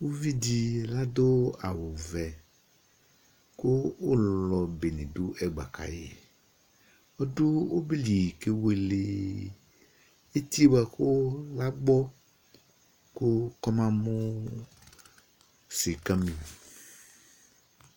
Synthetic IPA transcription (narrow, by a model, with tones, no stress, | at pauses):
wo˦vi˦di˨la˦d̪o˦a˨wo˨vɛ˨ | ko˦wo˦lɔ˨be˨nẽ˨do˦ʔɛ˦ɡ͡ba̰˨kʰa̰˨jḛ˨ | o˦do˦wo˦bli˨ke˦we˦le˨ | e˦t̪i˦ba˨ko˦la˦ɡ͡bɔ˦ | ko˦kɔ˦mã˦mo˦ | se˨ka˦mĩ˨